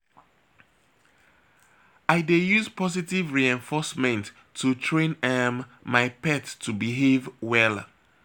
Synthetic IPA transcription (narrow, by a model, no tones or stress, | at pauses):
aɪdejuzpɔzitivɹiɛ̃ɱfɔsmɛ̃ntʰː | utʰɹẽnɛmːaɪpɛttʰːubiɦevwɛl